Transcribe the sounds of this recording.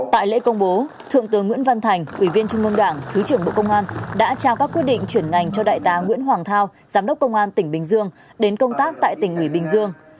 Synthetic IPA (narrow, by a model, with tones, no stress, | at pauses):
t̪a̰ː˧˨jlḛ˧˥kə˧wŋ͡mɓo˨˦ | t̪ʰɨ̰˧˨əŋt̪ɨ˨˦ŋːwḭ˧˥ənva˧nt̪ʰa˨˩jŋ̟ʔwi˧˩vi˧nt͡ɕʊ˧ŋ͡mŋə˧ŋ͡mɗaː˧˩ŋt̪ʰɨ˨˦t͡ɕɨ˧˩əŋɓo̰˧˨kə˧wŋ͡mʔaː˧nɗa̰ː˧˥t͡ɕaː˧wkaː˦˥kːwt̚ɗḭ˧˨ŋ̟t͡ɕwi˧˩ənŋa˨˩jŋ̟t͡ɕɔ˧ɗa̰ː˧˨jt̪aː˨˦ŋwḭ˧˥ənɦwaː˨˩ŋt̪ʰaː˧w | zaː˨˦mɗə˦˥k͡p̚kə˧wŋ͡mʔaː˧nt̪ï˧˩ŋ̟ɓï˧˩ŋ̟zɨ˧əŋ | ɗe˨˦nkə˧wŋ͡mt̪aː˦˥k̚t̪a̰ː˧˨jt̪ï˧˩ŋ̟ʔwi˧˩ɓï˧ŋ̟zɨ˧əŋ